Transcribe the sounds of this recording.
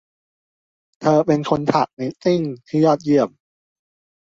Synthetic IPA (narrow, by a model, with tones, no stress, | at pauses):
t̪ʰɤː˧pe˧nkʰo˧nt̪ʰa˨˩k̚na˧jt̪i˥˩ŋt̪ʰiː˥˩jɔː˥˩t̪̚ji˥˩əm̚